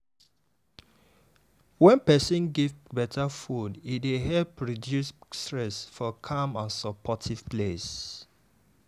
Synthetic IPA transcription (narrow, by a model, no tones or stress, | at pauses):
wɛ̃npɛsɔ̃nɡivbɛtʰafudidehɛlpɹɔdjusstɹɛsfɔkʰãmãnsɔpʰɔtʰiv̥ples